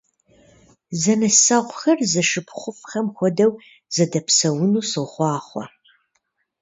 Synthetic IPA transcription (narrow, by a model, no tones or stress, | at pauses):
zɐnɐsɐʁʷʊxɐrzɐʂɨpʰχʷʊfχɐmxʷɔdɐw | z̥ɐdɐpʰsɐwʊnuːsɨʁχʷɑːχʷɔ̰